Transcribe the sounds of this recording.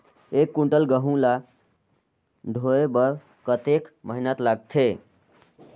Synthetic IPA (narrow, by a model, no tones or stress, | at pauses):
ekːuɳʈəlɡəɦũla | ɖʱoebəɾ | kət̪ekməɦinat̪laɡt̪ʰe